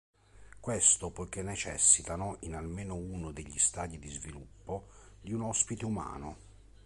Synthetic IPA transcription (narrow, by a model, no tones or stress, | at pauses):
kwest̪opojk̟enːet͡ʃɛ̰sːit̪anoʔinalmeːnʊuːnod̪eʎːist̪aːd̪id̪izvilupːo | d̪iunɔspit̪euma̰ːnʊ